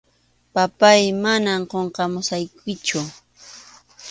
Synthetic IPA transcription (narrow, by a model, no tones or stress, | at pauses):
papajmanamqoɴqɑmʊsajkɪt͡ʃʊ